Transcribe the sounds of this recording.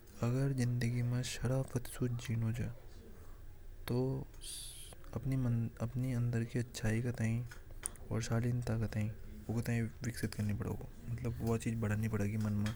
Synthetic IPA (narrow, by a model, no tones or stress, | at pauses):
ɐɡəɾzɪ̃nd̪əɡimẽʃɐɽaːfət̪suːd͡ʒiːnod͡ʒaː | t̪oː | ɐpnimɐɐpniɐ̃nd̪əɾkiɐtːʃʰaːikɐt̪aːĩɔ̰ːɾʃaːliːnt̪akɐt̪aːĩ | oːkt̪aːĩʋɪksɪt̪kɐɾnipɐɽ̤o̰ɡo̰ːmɐt̪ləbʋɐt͡ʃiːd͡ʒbɐɽ̤aːnipɐɽeːɡimɐnmẽ